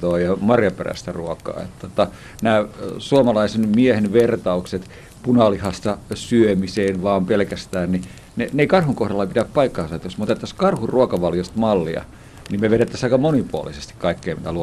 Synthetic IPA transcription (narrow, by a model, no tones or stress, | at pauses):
oːjɑmɑrjɑpḛræ̰st̪æruokˑɑ̰ːḛt̪ːot̪ɑ | næːsuomɑlɑisenmiehenʋert̪ɑukset̪ | punɑlihɑst̪ɑsyømiseːnʋɑːmpelkæst̪æːnni | neneikɑrhuŋkohɾɑlːɑpit̪æppɑikːɑːnsɑet̪josmot̪et̪ːɑskɑrhurruokɑʋɑljost̪mɑlːḭɑ̰ | nimmeʋeɾet̪ːæsɑikɑmonipuo̰lisest̪i̥kkɑikːeːmit̪ælu